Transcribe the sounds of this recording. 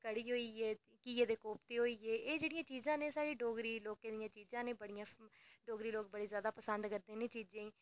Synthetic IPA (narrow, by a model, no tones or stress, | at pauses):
kəɽiːɦoːiːeː | kiːeːd̪eːkoːp̚t̪eːɦoːiːeːʔeːd͡ʒeːɽɪjãːt͡ʃiːzãːneːsaːɽeːɖoːɡɾiːloːkẽːd̪ɪjãːt͡ʃiːzãːnẽːbəɽɪjãːɖoːɡɾiːloːk̚bəɽiːzjaːd̪aːpəsənd̪kəɾd̪ẽːnẽːt͡ʃiːzẽː